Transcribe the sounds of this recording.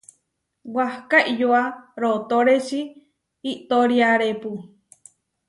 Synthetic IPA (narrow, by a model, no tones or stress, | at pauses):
wahkaʔijoaɾot̪oɾet͡ʃiː | t̪oɾiaɾepu